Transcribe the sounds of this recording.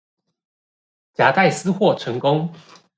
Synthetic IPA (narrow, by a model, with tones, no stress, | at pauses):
t͡ɕja˨˧˥t̪a˥˩ɪsɹ̩˦xwɔ˥˨˩ʈ͡ʂʰɤ˧˦ŋkʊ˦ŋ